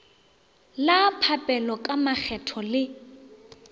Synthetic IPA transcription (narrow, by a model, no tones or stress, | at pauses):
lapʰapʼɛlɔkʼamak͡xʰɛtʰɔlɪ